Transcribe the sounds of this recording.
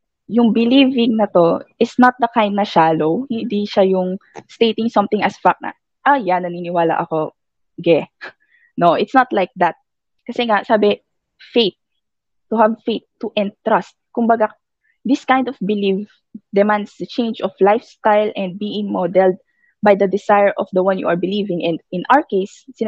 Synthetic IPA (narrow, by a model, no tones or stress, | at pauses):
jʊŋbɪlivɪŋnɐt̪o̞ʔɪsnɐt̪̚d̪ɐkãj̃nd̪nɐʃaːlowhɪnd̪iʃajʊŋst̪ejt̪ɪŋsɐ̃mt̪ɪ̃ŋɐsfak̚nɐ̰ | ʔajanɐninɪwaːlɐ̰ʔɐko̞ | ɡɛ | noʔɪt̪snɐt̪lajk̚d̪ɐt̪̚ | kɐsɛŋasaːbɛ | fejt̪̚ː | ʊhavfejt̪ːʊʔɛ̃nt̪ɹast̪̚kʊmbɐɡa | d̪ɪskãjnd̪ɔfbɪlif | d̪ɛmãnd̪sd̪ɐt͡ʃẽjnd͡ʒɔflajfst̪ajlʔɛ̃nd̪̚biːɪ̃ŋmod̪ɛld̪̚ | bajd̪ɐd̪ɪsajɛɹʔɔfd̪ɐwɐ̃njṵʔɐɹbɪliːvɪ̃ŋɛ̃nd̪ɪ̃nʔawəɹkejsːɪn